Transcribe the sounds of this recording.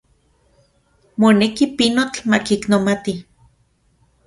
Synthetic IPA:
monekipinot͡ɬmakiknomat̪i

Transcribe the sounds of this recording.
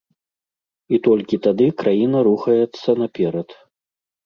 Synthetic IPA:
it̪ɔlʲkʲit̪ad̪ɨkɾajinɐɾuxɐjɛt̪sːɐnapʲɛɾɐt̪

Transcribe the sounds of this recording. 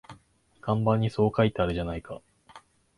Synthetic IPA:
ɡ̥ãmbãɲ̟ːiso̞ːkait̪eaɾɯ̟ʑanaika

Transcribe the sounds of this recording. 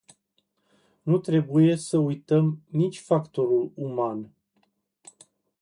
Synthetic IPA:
nut̪ɾe̞buje̞səujt̪əmnit͡ʃʲfakt̪o̞ɾuluman

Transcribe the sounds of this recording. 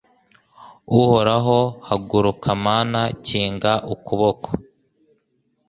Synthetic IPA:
uhoɾaɦo̞haɡuɾukʰamaːnaciːŋɡaʔukuβokʰo

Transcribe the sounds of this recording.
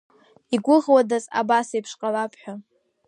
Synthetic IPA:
iɡʷʊʁwadaza̰basajpʰʂqʼalapʰħᶣa

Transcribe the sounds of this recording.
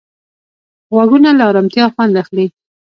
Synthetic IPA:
ɣwaɡunalaːɾamt̪jɑxwɑnlaxli

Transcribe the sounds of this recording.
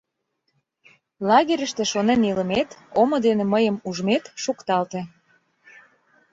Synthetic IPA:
lɑɣeɾʲəʃt̪eʃoneniləmet̪omod̪enĕməjəmuʒmet̪ʃukt̪ɑlt̪e

